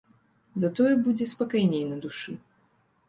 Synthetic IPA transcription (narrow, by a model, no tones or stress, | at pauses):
zat̪ɔjɛbud͡zʲɛspakajnʲejnɐd̪uʂɨ